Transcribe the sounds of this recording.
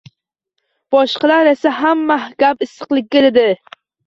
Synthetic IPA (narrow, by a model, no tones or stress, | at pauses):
b̥ɒʃqɑlaɾasaɦamːahɡ̥ʲapɪsːɨqlˠɪk̚ʲːad̪ɪd̪ɪ